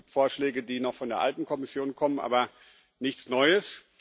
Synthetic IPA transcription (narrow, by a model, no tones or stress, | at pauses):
p̚tfoːɐʃlɛːɡədiːnɔχfɔndeːɐʔaltn̩kʰɔmɪsjoːnkʰɔmənʔa̰ːbɐ | nɪçt͡snɔʏəs